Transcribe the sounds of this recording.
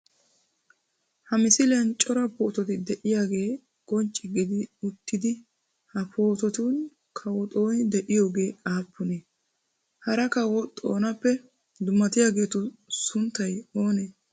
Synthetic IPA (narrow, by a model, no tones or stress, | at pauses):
hɐmɪsɪlɪjɐnt͡ʃʼɔɾɐpoːt̪ɔt̪ɪd̪ɛʔɪjaːɡe̞ː | kʼɔnt͡ʃʼːɪɡɪd̪ɪʊt̪ːɪd̪ɪ | hɐpʰoːt̪ɔt̪un | kʰɐwɔt̪ʼo̞ːnd̪ɛʔɪjo̞ːɡe̞ːaːpːʊneː | hɐɾɐkɐwɔt̪ʼo̞ːnɐpːɛ | d̪ʊmːɐt̪ɪjaːɡe̞ːt̪ʊsʊnt̪ːɐjoːneː